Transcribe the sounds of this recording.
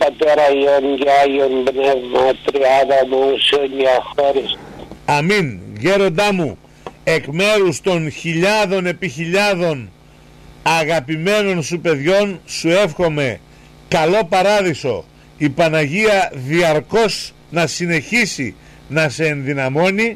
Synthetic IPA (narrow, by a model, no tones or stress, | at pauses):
pɐt̪eɾɐjonɟeajionbnevmɐt̪ɾiaðɐmuseoɲɐxoɾisɐminʝe̞ɾo̞nd̪ɐmu | e̞kme̞ɾust̪o̞nçiʎɐðo̞ne̞piçiʎɐðo̞n | ɐɣɐpime̞no̞nsupe̞ðʝo̞nsue̞fxo̞me̞ | kɐlo̞pɐɾɐðiso̞̰ | ipɐnɐʝiɐðiɐɾko̞s | nɐsine̞çisḭ | nɐse̞ːnðinɐmo̞ni